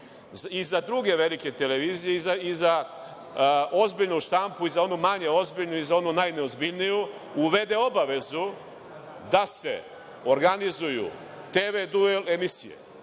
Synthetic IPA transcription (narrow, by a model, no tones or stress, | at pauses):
zizad̪ɾuɡe̞ʋe̞like̞t̪e̞le̞ʋiːzije̞izaiza | o̞zbiʎnuʃt̪ampuizao̞numaɲe̞o̞zbiʎnuizao̞nunajne̞ozbiʎniju | uʋe̞d̪e̞o̞baʋe̞zu | d̪ase̞ | o̞ɾɡanizujṵ | t̪eʋed̪uele̞misijḛ